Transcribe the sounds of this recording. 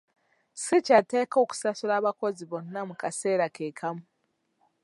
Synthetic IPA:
sicateːko̞ːku̥sasuɾaːβako̞ziβonnamukase̞ːɾakeːkʰamu

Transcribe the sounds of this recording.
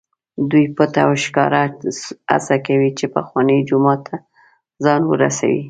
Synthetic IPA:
d̪ujpət̪awʃkɑɾaa̰sakawit͡ʃepaxwɑnəd͡ʒʊmɑt̪ʰːa | zɑnwə̰ɾa̰sa̰wḭ

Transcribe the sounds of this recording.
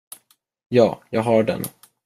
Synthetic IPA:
jɑːjɑːɡɦɑɖɛ̰n

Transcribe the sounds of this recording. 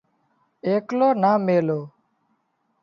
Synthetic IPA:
eːkloːnaːmeːloː

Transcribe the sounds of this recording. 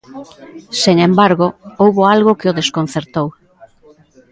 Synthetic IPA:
seŋembaɾɣoowβoalɣokɪoðeskon̟θeɾt̪ow

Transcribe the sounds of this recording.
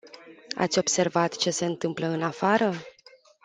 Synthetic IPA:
a̰t̪sʲo̞bse̞rvat̪t͡ʃe̞se̞ɨnt̪ɨmpləɨnafaɾə

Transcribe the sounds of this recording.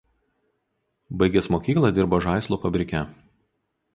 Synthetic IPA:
bɐɪɡʲɛsmoːkʲiːklˠɐˑd̪ʲɪɾboːʒɑˑɪslˠuːfɐbʲɾʲɪkʲɛ

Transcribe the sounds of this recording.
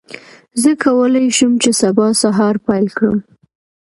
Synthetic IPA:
zəkʰawəlajʃumt͡ʃesabɑsaɦɑɾpajlkɽə̰m

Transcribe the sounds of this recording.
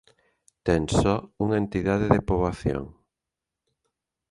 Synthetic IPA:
t̪ɛŋsɔuŋent̪iðað̞eðepoβaθjo̰ŋ

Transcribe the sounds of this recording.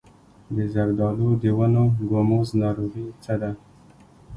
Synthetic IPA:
d̪əzaɡd̪ɑlod̪əwanoɡomoznɑɾuɾit͡səd̪a

